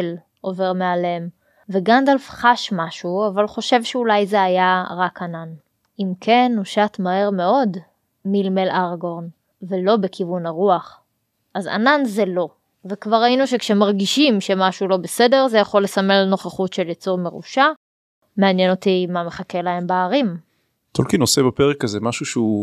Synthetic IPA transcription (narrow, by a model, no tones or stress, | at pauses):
l | ʔo̞ve̞ʁmealem | veɡand̪alfχaʃmaʃuavalχo̞ʃe̞vʃeulajzeajaʁakanan | imkʰenuʃatmahe̞ʁme̞o̞d | milmelaʁɡoʁn | velo̞be̞kʰivunaʁuaχ | ʔaza̰nanzelo̞ | vekvaʁainuʃekʃemaʁɡiʃimʃe̞maʃulo̞bese̞de̞ʁzejaχo̞lːesamelno̞χaχutʃeljet͡suʁme̞ʁṵʃa | meanjeno̞t̪imame̞χake̞lae̞mbaːʁim | t̪olkinosebapeʁekazemaʃuʃeu